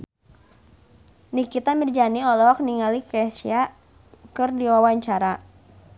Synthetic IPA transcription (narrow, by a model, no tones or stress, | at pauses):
nikit̪amird͡ʒaniɔlɔɦɔk̚niŋalikɛsia | kɨrdiwawaɲt͡ʃaɾa